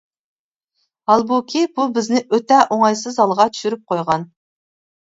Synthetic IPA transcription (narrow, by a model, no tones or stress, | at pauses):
hɑlˠbukʲʰibubɪznɪʔøt̪ɛʔoŋɑjsɨzɑlˠʁɑt̪ʰy̥ʃyɾyp̚qʰojʁɑn